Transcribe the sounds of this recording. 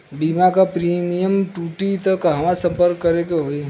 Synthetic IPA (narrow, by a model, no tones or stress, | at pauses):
bimakapɾiːmijəmʈuːʈit̪əkɦɐmasə̃mpəɾkːəɾekeɦoːi